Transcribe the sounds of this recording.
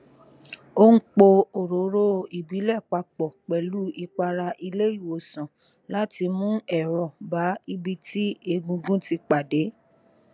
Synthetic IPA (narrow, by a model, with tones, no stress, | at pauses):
o˦ŋ̩˦k͡po˧o˨ɾo˨˦ɾo˦i˨bi˨˦lɛ˦˨k͡pa˧k͡pɔ˨k͡pɛ˨lu˨˦i˧k͡pa˧ɾa˧ʔi˧le˦i˦˨wo˨sã˨ | la˦ti˧mũ˦ɛ˨ɾɔ˨ba˨˦i˧bi˧tʰi˦e˧ɡũ˧ɡũ˦ti˧k͡pa˨de˨˦